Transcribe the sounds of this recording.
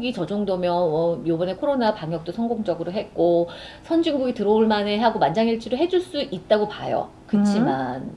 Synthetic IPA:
ɡit͡ɕʌd͡ʑoŋdʌmjʌwʌjobʌne̞kʰoɾonapaŋɦjʌk̚t͈osʰʌŋɡoŋd͡ʑʌɡɯɾoɦe̞t̚k͈o | sʰʌnd͡ʑiŋɡuɡitɯɾʌuɭmaneɦaɡomand͡ʑaŋiɭt͡ɕʰiɾoɦe̞d͡ʑuɭs͈uʔit̚t͈aɡopajo̰ | kɯt͡ɕʰiman

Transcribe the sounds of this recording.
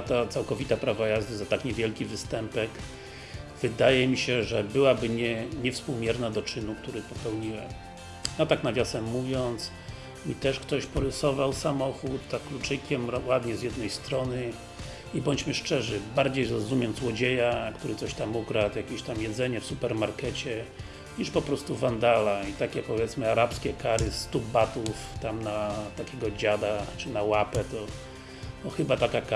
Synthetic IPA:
t̪at̪sawkɔvʲit̪apɾavajazd̪ɘzat̪akɲɛvʲjɛlkʲivɘst̪ɛmpɛk | v̥ɘd̪ajɛmʲiɕɛʐɛbɘwabɘɲɛɲɛfspuwmʲjɛɾnad̪ɔt͡ʂɘnukt̪uɾɘpɔpɛwɲiwɛ̰m | jat̪aknavʲjasɛmːuvʲjɔnt̪s | it̪ɛʂkt̪ɔɕpɔɾɘsɔvawsamɔxut̪ːaklut͡ʂɘkʲɛmwad̪ɲɛzjɛd̪nɛjst̪ɾɔnɘ | ibɔɲd͡ʑmɘʂt͡ʂɛʐɘbaɾd͡ʑejɾɔzumʲjɛmzwɔd͡ʑejakt̪uɾɘt̪sɔɕt̪amukɾat̪jakʲeɕt̪amjɛd̪zɛɲɛfsupɛɾmaɾkɛt͡ɕɛ | ɲiʂpɔpɾɔst̪uvand̪alait̪akʲɛpɔvjɛt̪smɘaɾapskʲɛkaɾɘst̪ubbat̪uft̪amnat̪akʲɛɡɔd͡ʑad̪axt͡ʂɘnawapɛt̪ɔ | nɔxɘbat̪akaka

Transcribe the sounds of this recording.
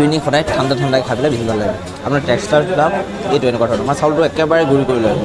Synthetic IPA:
inixɔdajtʰandatʰɔndajkʰabilɛbiɦibʱallaɡna̰ | apʊnaɹtɛkstaɹtam | ejtʊɛnɛkwaɾʰɔnɔmasawltʊɛkɛbaɹɛɡuɹikoɹilɔj

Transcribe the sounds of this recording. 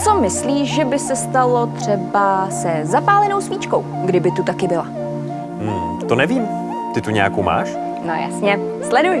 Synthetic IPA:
t͡somɪsliːʃʒɛbɪsɛst̪alo̞t̪r̝̥ɛbasɛzapaːlɛnowsviːt͡ʃko̞w | ɡdɪbɪt̪ut̪akɪbɪla | m̩ | t̪onɛviːm | t̪ɪt̪uɲɛjakowma̰ːʃ | no̰ja̰sɲɛ | slɛduj

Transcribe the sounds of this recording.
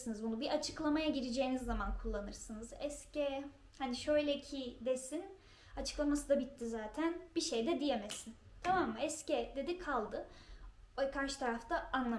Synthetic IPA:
sɯnɯzbunubiʔat͡ʃʰɯklˠamajaɟiɾid͡ʒejinizːamankʰulˠːanɯɾsɯnɯzɛscɛ | haniʃø̞jlʲɛcʰid̪e̞sin | at͡ʃʰɯ̥klˠamasɯd̪abit̪ʰːizaːt̪ʰænb̥iʃe̞jd̪ɛd̪ijemesin | t̪ʰamamːaɛscɛd̪e̞d̪ikʰalˠd̪ɯ | ɛkʰaɾʃɯ̥t̪ʰaɾaft̪ʰaanlˠa

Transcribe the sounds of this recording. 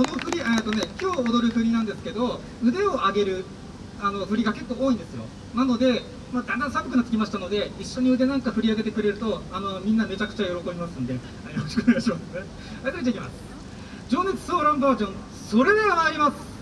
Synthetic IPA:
so̞no̞ɸɯ̟ɾʲie̞ːt̪one̞kʲo̞ːd̪o̞ɾɯ̟ɸɯ̟ɲ̟inãnd̪e̞sɨ̥ke̞d̪o̞ | ɯ̟d̪e̞o̞ʔaɡe̞ɾɯ̟ | ano̞ɸɯ̟ɾʲiɡake̞kːo̞ːoːĩnd̪e̞sɨjo̞̰ | nano̞d̪e̞ | maːd̪ãnd̪ãsãmbpɯkɯ̟nat̪ːsɨ̥kʲimaɕi̥t̪ano̞d̪e̞iɕːo̞ɲ̟iɯ̟d̪e̞nãŋkaɸɯ̟ɾʲiaɡe̞t̪e̞kɯ̟ɾe̞ɾɯ̟t̪o̞ano̞mʲĩnːame̞t͡ɕakɯ̟̥t͡ɕajo̞ɾo̞ko̞bʲimasɨ̃nd̪e̞ | ajoɾoɕi̥koneɡaɕimas | aek̪oit̪eikʲimasɨ̥ | d͡ʑo̞ːnet͡sɨ̥soːɾãmbaːʑõ̞ɴ̃ | so̞ɾe̞d̪eɾamaːɾʲimasɨ̥

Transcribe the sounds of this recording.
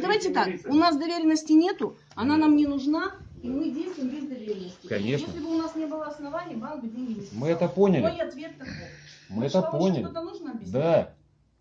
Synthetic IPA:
d̪ɐvajtʲɪt̪akʊnasd̪ɐvʲeɾʲɪnːəsʲtʲɪnʲe̞t̪ʊ | ɐnanamnʲɪnʊʐnaimɨdʲejst̪vʊjɪmvʲezʲd̪ɐvʲeɾʲɪnːəsʲtʲɪkɐnʲeʂjenəslʲɪbɨʊnasnʲe̞bɨlˠəɐsnɐvanʲɪjəbankbɨdʲenʲɡʲɪsmɨɛt̪əponʲɪlʲɐjiɐt̪vʲet̪ːɐomɨɛt̪əpponʲɪlʲot̪ənuʐnəɐbʲjɪd̪a

